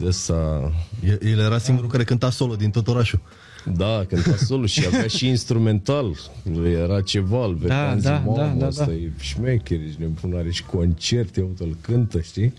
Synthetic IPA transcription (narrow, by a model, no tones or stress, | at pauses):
d̪st̪ajejeljeɾasiŋɡuɾulkaɾe̞kɨnt̪aso̞lod̪int̪o̞t̪o̞ɾaʃu | d̪akɨnt̪asoluʃiavjaʃiːnst̪ɾume̞nt̪al | jeɾat͡ʃevalveanzmasajʃmekʲeɾet͡ʃnepunaɾet͡ʃko̞nt͡ʃert̪ʲjaut̪əlkɨnt̪əʃt̪i